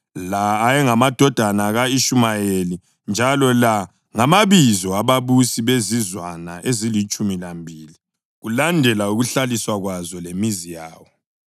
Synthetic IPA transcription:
laːjɛŋamad̥ʱɔd̥ʱanaɣaiʃumajeli | nd͡ʒʱalɔla | ŋamaβizɔaβaβusiβezizwanaʔezilit͡ʃʼumilambʱiːli | ɣulandʱɛlauɣuɬaliswaɣwazɔlemizijaːwɔ

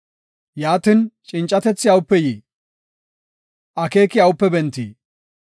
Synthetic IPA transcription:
jaːt̪ɪnt͡ʃʼɪnt͡ʃʼːɐt̪ɛt͡sːɪɐwʊpːɛjiː | ʔɐke̞ːkɪɐwʊpːɛbɛnt̪ːḭː

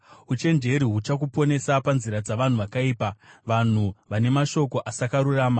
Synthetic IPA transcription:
ut͡ʃe̞nd͡ʒe̞ɾiɦut͡ʃakupo̞ne̞sapanziɾad͡zaʋan̤uʋakaiːpaʋan̤uʋane̞maʃo̞ko̞ʔasakaɾuraːma

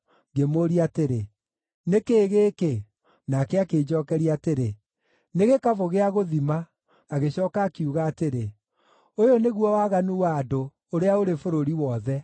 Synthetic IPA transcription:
ŋɡemoɾiateɾe | nekeːɣeːke | nakɛakeːd͡ʑɔːkɛɾiateɾe | neɣekavoɣeaɣoðimaː | ɣeɕɔːkaːkiuɣaːteɾe | ojoneɣwɔwaɣanuwado | oɾeaoɾefoɾoɾiwɔðɛ

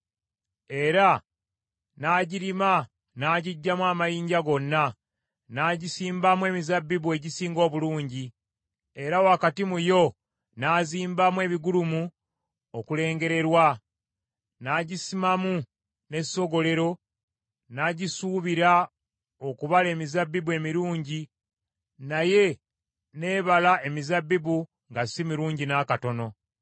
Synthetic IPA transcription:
e̞ɾa | naːɟiɾima | naːɟiɟːamwaːmajiːɲɟaɡo̞nːa | naːɟisiːmbamwe̞ːmizabːiβwe̞ːɟisiːŋɡo̞ːβuluːɲɟi | e̞ɾawakatimujo̞ | naːziːmbamwe̞ːβiɡulumu | okule̞ːŋɡe̞ɾe̞ɾwa | naːɟisimamu | ne̞so̞ɡo̞le̞ɾo̞ | naɟisuːβiɾa | o̞kuβale̞ːmizabːiβwe̞miɾuːɲɟi | naje̞ | ne̞ːβalae̞mizabːiβu | ŋɡasimiɾuːɲɟinakato̞no̞

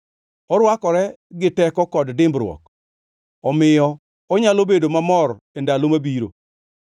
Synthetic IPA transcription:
ɔɾwakɔɾɛɡɪtɛkɔkɔddɪmbɾwɔ̰k | ɔmɪjɔ | ɔɲalobedomamɔr | endalomabiɾo̰

